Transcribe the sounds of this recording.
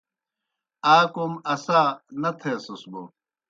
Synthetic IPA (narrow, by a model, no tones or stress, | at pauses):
aːkomɐsaːnɐt̪ʰeɐsosbo